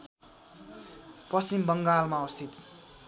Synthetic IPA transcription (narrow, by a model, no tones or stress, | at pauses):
pʌst͡ɕimbʌŋɡalmaʌst̪ʰit̪